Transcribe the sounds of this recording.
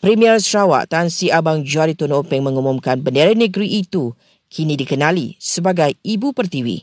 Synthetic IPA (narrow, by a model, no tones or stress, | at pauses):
pɾimiərsɾawa̰ʔt̪ansiabaŋd͡ʒuaɾit̪unopɛŋmə̃ŋumumkanbəndeɾanəɡɾiʔːt̪u | kʰinidikənãlisəbaɡajibupərt̪iwḭ